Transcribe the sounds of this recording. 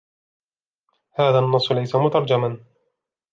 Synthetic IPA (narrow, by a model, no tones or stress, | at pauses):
haːðanːɑsˤːʊlajsamʊt̪ɑɾˤd͡ʒaman